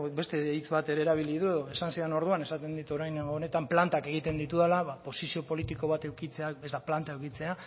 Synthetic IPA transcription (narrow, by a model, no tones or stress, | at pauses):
be̞st̪e̞it͡sβat̪e̞ɾe̞ːɾaβ̞iliðue̞ðo̞esansieno̞ɾðuane̞sat̪e̞nd̪it̪o̞ɾajneŋɡoːne̞t̪amplant̪ake̞ɣ̞it̪e̞nd̪it̪uðalaβapo̞sisio̞po̞lit̪iko̞β̞at̪e̞wkit͡se̞aezd̪aplant̪aewkit͡se̞a